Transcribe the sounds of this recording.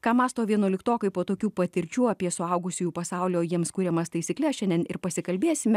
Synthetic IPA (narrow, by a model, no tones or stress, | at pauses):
kɑːmɑːst̪oːʋʲiɛnoɔlʲɪkt̪oːkɐɪpoːt̪oːkʲuːpɐt̪ʲɪɾʲt͡ʃʲuːɐːpʲiɛsʊɐʊɡʊsʲʊjuːpɐsɑʊlʲoːjiɛmskuːɾʲɛmɐst̪ɐɪsʲiːklʲɛsʃʲɛnʲd̪ʲɛnɪɾpɐsʲɪkɐlʲbʲeːsʲɪmʲɛ